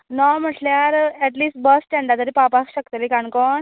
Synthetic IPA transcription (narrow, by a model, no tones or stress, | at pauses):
nɔm̤əʈljaɾɛʈliːsʈ̚bəsʈɛ̃ɳɖat̪əɾipapakɕəkt̪əlikankɔɳ